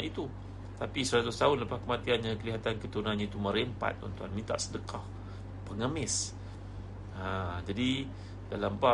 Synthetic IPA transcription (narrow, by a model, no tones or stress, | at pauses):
ʔit̪u | t̪apisəɾat̪ʊst̪aʊnləpahkəmat̪ianɲãkəliɦat̪ankət̪əunanɲait̪uməɾempa̰t̪̚ṵnt̪uanmĩnt̪a̰ʔsədəkʰah | pəŋəmɪs | ad͡ʒadi | dalamba